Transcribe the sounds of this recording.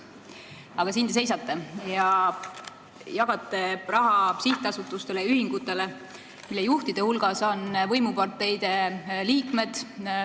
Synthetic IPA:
ɑɡ̥ɑsind̪esejsɑt̪ːe̞jɑ | jɑɡ̥ɑt̪ːˑe̞rɑɦɑsiht̪eɑsut̪ːˑust̪e̞lejyhiŋɡ̥ut̪ːˑe̞le | milːejuht̪id̪̥e̞hulɡ̥ɑso̞nvɤjmupɑrt̪ːˑe̞jd̪̥e̞liːkme̞d̪̥

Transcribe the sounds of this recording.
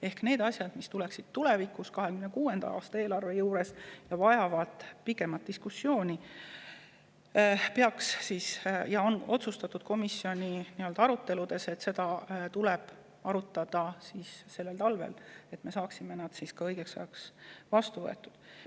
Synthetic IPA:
e̞hkne̞ːd̪̥ɑsjɑd̪̥mist̪uleksid̪̥̚t̪ːule̞vikuskɑɦekymnekuːe̞nd̪̥ɑ̰ɑ̰ːst̪ɑe̞ːlɑrve̞juːɾe̞sjɑvɑjɑvɑd̪̥pikːˑe̞mɑt̪̚d̪̥iskusːjo̞ːnʲi | pe̞ɑkssiːsjɑo̞no̞t̪sust̪ɑt̪ːˑud̪̥ko̞misːjo̞nʲiniø̞ld̪ɑɑɾut̪ːe̞lud̪̥e̞se̞t̪se̞d̪ɑt̪ulɛb̥ | ɑɾut̪ːˑɑd̪̥ɑsiːsːe̞lːe̞lt̪ɑlve̞̰le̞t̪me̞sɑːksime̞nɑd̪̥siskɑɤjɡ̥e̞ksɑ̰jɑksvɑst̪uvɤe̞t̪ːˑud̥̪

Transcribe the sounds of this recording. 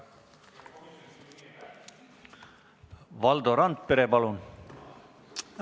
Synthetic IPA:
ʋɑld̪oɾɑnt̪̚peɾepɑlun

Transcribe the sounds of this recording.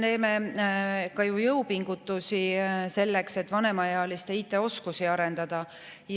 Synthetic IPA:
ne̞ːme̞ | kɑjujɤwpiŋɡ̥ut̪ːˑusise̞lːe̞kse̞t̪ːˑvɑne̞mɑjeɑlist̪e̞it̪ːˑe̞o̞skusiɑɾe̞nd̪̥ɑd̪̥ɑ | j

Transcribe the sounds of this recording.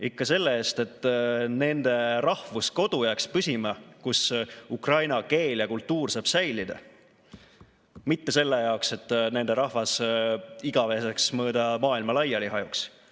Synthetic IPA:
ikːɑse̞lːeeːst̪e̞t̪ːˑne̞nd̪̥e̞rɑhvusko̞d̪̥ujækspysʲimɑkusukrɑjnɑke̞ːljɑkult̪ːˑuːrsɑːb̥sæjlid̪̥ɑ̰ | mit̪ːe̞se̞lːe̞jɑokse̞t̪ːˑne̞nd̪̥e̞ɾɑhvɑs | iɡ̥ɑve̞ːseksmɤːd̪̥ɑmɑːilmɑlɑjːɑliɦɑjuks

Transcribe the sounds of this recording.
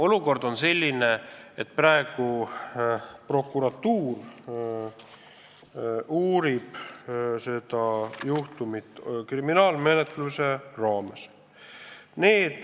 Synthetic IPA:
o̞luko̞rd̪̥o̞nse̞lʲːine̞et̪̚ːˑprɑe̞ɡ̥u | pro̞kːˑuɾɑt̪uːr | uːɾib̥se̞d̪ɑjuht̪umit̪ːˑkriminɑːlme̞net̪luserɑːmes | neːd̪̥

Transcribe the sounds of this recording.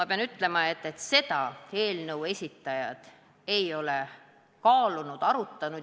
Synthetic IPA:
mɑpeɑnyt̪ːˑle̞mɑe̞t̪ːe̞t̪se̞d̪̥ɑe̞ːlnəwe̞sʲit̪ːˑɑjɑd̪̥ | e̞jo̞le̞ | kɑːlunud̪̥ɑɾut̪ːɑnu

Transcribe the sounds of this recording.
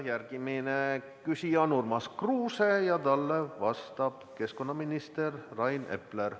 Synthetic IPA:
jærɡ̥imine | kysʲiɑnurmɑskruːsejɑt̪ɑlːevɑst̪ɑb̥ke̞sko̞nːɑminist̪erːɑjne̞̰pler

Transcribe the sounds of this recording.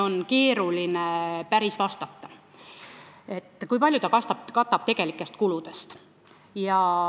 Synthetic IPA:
o̞nke̞ːɾulinepæɾisvɑst̪ɑt̪ːɑ | e̞t̪ːˑkujpɑljut̪ɑkɑst̪ɑb̚kɑt̪ːˑɑb̥̚t̪e̞ɡ̥e̞likːˑe̞st̪kulud̪̥e̞st̪ | jɑ

